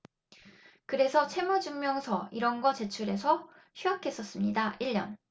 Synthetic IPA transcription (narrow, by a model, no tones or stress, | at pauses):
kɯɾe̞sʰʌt͡ɕʰe̞mud͡ʑuŋmjʌŋsʰʌiɾʌnɡʌt͡ɕe̞t͡ɕʰuɾe̞sʰʌ | ɕʰɥiakʰe̞s͈ʌs͈ɯmɲidaiʎːʌn